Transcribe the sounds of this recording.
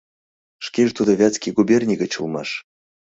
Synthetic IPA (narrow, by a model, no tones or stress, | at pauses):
ʂkʲeʐt̪ud̪əvʲat͡skʲiɡubʲerʲnʲiɡət͡ɕulˠma̰ʂ